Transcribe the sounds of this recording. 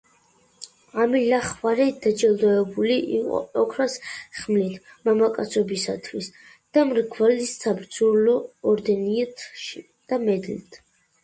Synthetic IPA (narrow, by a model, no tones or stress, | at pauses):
amilaχvaɾɛd̪ad͡ʒɛlˠd̪ɔɛbuliʔḭqʼɔ̰ɔkʰɾasχmlit̪ʰ | mamakʼat̪sʰɔbisat̪ʰwis | d̪̥amɾɡvalissabɾd̪zulɔːɾd̪ɛniɛt̪ʰʃi | d̪̥amɛd̪lḭt̪ʰ